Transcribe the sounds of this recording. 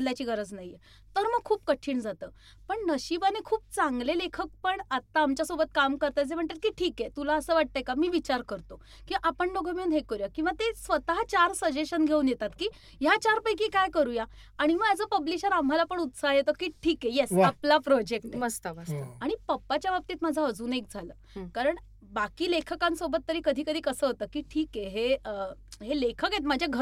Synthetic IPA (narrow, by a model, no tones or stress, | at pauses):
ljat͡ɕiːɡəɾəd͡znaɦije | t̪əɾməɡ̚kʰuːp̚kəʈʰiːɳd͡zat̪əː | pəɳnəɕibanekʰuːp̚t͡sãŋɡlelekʰək̚pəɳat̪ːaːmt͡ɕjasobət̪̚kamkəɾt̪ad͡zem̤əɳt̪aɾ̚kiːʈʰiːkjet̪ulaəsəːʋaʈ̚t̪ajkamiːʋit͡ɕaɾkəɾt̪o | kiʔapəɳloɡəmiunɦekəɾjakĩw̃ʋat̪esʋət̪aɦat͡ɕaɾsəd͡ʑeɕənɡʱeũːnjet̪at̪kiː | jat͡ɕaɾpəjk̬iːkajkəɾuːja | aɽ̃iməɡad͡zəːpəbliɕəɾam̤alapəɳut̪sajet̪əkiːʈʰiːkejesaplapɾɔd͡ʑek̚ʈnməst̪əəsaɽ̃ipəpːat͡ɕjabap̚t̪iːt̪mad͡zʱaəd͡zuːnek̚d͡zʱaləː | kaɾəɳ | bakiːlekʰəkansobət̪ːəɾiːkəd̪ʱiːkəd̪ʱiːkəsəːɦot̪əːkiːʈʰiːkeɦeəɦelekʰəkjet̪mad͡ʑʱjaɡʱə